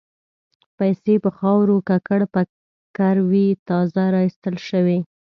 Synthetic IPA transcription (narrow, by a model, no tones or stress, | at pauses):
pajsepəxɑwɾokakaɽpə | kaɾwit̪ɑzaɾɑist̪əlʃəwe